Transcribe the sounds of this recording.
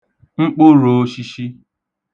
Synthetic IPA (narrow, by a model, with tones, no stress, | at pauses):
ŋ͡m̩˦k͡po˦ɾo˨˦ʃi˦ʃi˦